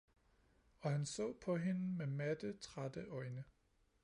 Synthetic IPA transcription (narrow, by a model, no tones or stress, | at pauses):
ɒ̽ɦænsɔ̰̽ːpʰɒ̽ɦe̝nəmemæd̥ət͡sʰʁad̥əʔɒ̽ɪnə